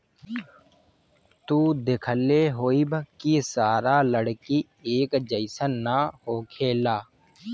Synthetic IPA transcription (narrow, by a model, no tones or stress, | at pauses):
t̪uːd̪ekʰəlːeɦoːibkisaːɾaːləɽki | eːkd͡ʒəɪsənːahoːkʰeːlaː